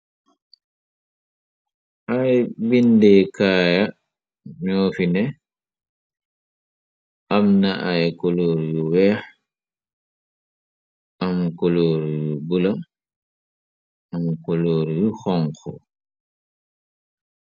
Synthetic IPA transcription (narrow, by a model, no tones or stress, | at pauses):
ʔajbindɛkaːja | ɲoːfinɛ | ʔamnaʔajkoloːɾjuwɛːh | ʔamkoloːɾjubula | amkoloːɾjuxɔŋkɔ